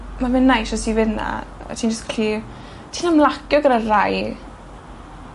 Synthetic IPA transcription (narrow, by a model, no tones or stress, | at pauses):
mavɪnːajʃɔsivɪdna̰ɛ̰tʰiːnd͡ʒəsɡ̥aɬi | tʰiːnamlˠakjɔɡəɾaraj